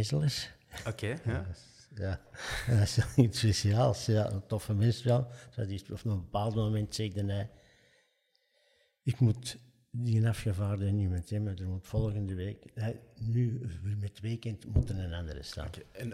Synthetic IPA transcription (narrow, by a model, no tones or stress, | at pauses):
ɪzələsoke | jaː | slitspesiaːlˠsjaə̰ntɔfəmɪnstʋɛlˠsa̰tɪstɔfnəbəpaːlˠtmomɛntsɛɣdənɛj | ɪkmut | diənafxəvaːrdənymɛnsɛmadərmutfɔlˠɣəndəʋeːkɛnymɛtʋeːkəntmutərnənandəɾə̰sta̰ːn